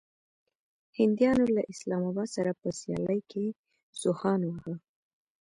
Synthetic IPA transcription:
hɪnd̪jɑnolaʔɪslɑmɑbɑd̪saɾapəsjɑ̰ləjkʰe | z̥ʊhɑnwəhə

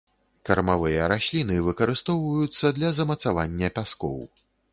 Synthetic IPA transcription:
kɐrmavɨjɐɾasʲlʲinɨvɨkɐɾɨst̪ɔwvɐjut̪sːɐd̪lʲɐzɐmɐt̪savanʲːɐpʲaskɔ̰w

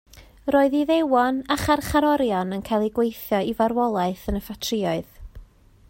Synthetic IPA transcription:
roːɨðiðewɔnaχarχaɾɔɾjɔnənkʰajlˠiɡwejθjɔivaɾwɔlˠaɨθənəfatʰrɪɔɨð

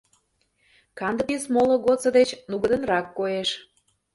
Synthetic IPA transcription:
kɑnd̪əpesmolŏɣot̪t͡sə̆d̪et͡ɕnuɣə̆d̪ə̆nrɑkːojeʃ

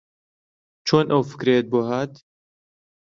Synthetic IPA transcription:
t͡ʃʰoːnʔɐwfɨ̥kɾeːt̪̚boːɦaːt̪

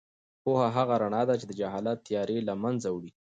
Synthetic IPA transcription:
pohaɦaɣaɾaɳɑd̪at͡ʃed̪əd͡ʒaɦɑlat̪ːjɑɾelamanzawɽi

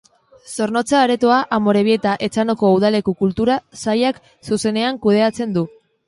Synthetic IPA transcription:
so̞ɾno̞t͡saːɾe̞t̪oaʔamo̞ɾe̞βie̞t̪aʔe̞t͡sano̞ko̞uð̞ale̞kukult̪uɾasajak | suse̞ne̞aŋkuð̞e̞at͡se̞nd̪u

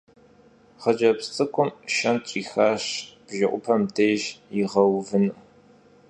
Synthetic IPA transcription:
χɐd͡ʒɐpst͡sʼɨkʷʊmʃɐnt͡ʃʼiːxaːɕb̥ʒɪʔʷʊpʰɐmdʰeːʒjɪʁɐwvɨnɨʔ

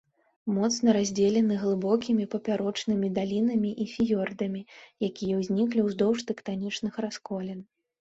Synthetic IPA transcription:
mɔt̪snɐɾazʲd͡zʲelʲɛnɨɣlˠɨbɔkʲimʲipɐpʲaɾɔt͡ʂnɨmʲid̪alʲinɐmʲiʔifʲijɔrd̪ɐmʲijakʲijɛwzʲnʲiklʲiwzd̪ɔwʂt̪ɛkt̪anʲit͡ʂnɨxraskɔlʲɛn

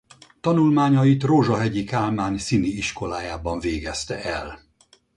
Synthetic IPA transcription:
t̪ɒnulmaːɲɒjit̪roːʒɒɦɛɟikaːlmaːnsiniiʃko̞laːjaːbɒɱveːɡɛst̪ɛʔɛl

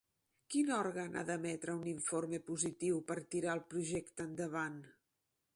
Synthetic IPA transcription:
kinɔɾɣənʔa̰ðəmɛt̪ɾəuniɱformepuzit̪iwpəɾt̪iɾaəlˠpɾuʒɛkt̪əːnd̪əβ̞an

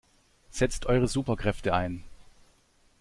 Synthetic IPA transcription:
z̥ɛt͡stʰʔɔʏʁəzuːpɐkʁ̥ɛftəaɪn

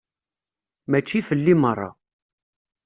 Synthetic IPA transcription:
mæt͡ʃːifəlːimərˤːɑ̰

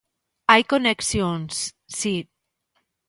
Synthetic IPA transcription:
ajkoneksjons | si

